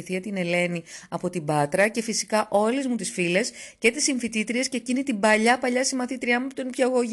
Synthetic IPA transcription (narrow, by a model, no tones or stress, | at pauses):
iθiɐt̪ine̞le̞niɐpo̞t̪ibɐt̪ɾɐce̞fisi̥kɐʔo̞lezmut̪isfile̞sce̞t̪isiɱfit̪it̪ɾie̞sce̞ːcinit̪ibɐʎɐpɐʎɐsimɐθit̪ɾiɐmupot̪onpçɐɣo